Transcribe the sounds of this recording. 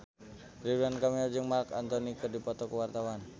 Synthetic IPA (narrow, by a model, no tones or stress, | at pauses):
ɾiɾuankamild͡ʒɨŋmarkant̪ɔnikɨrdipɔt̪ɔkəwart̪awan